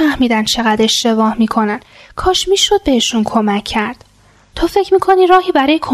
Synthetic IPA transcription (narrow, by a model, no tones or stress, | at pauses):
æhmiːd̪ænd̪t͡ʃʰe̞ɣæd̪e̞ʃt̪e̞bɒːhmiːkʰo̞næn | kʰɒːʃmiːʃo̞d̪̚be̞heʃunkʰo̞mæcʰːæɾd̪̥ | t̪ʰofe̞cʰɾmiːkʰoniːɾɒːɦiːbæɾɒːjekʰo